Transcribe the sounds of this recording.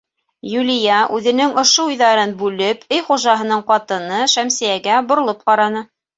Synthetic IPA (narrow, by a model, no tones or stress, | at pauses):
julʲɪjɑʔʉðɘ̆nɘŋŏʃoujðɑɾɤnbʉlɘpʰɘjχuʒɑɦɤ̆nɤɴqɑt̪ɤ̆nɤʃæmsɘ̆jæɡæbŏɾŏlˠɤp̚qɑɾɑnɤ